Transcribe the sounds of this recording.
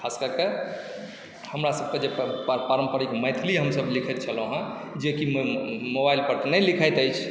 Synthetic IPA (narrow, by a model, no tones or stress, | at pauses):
kʰaskəɾke | həmɾasəb̚ked͡ʒepəɾəmpəɾikməjt̪ʰiliɦəmsəblikʰɛt̪̚t͡ʃʰəlõɦã | d͡ʒekimobailpəɾt̪nəlikʰəjt̪əjt͡ʃʰ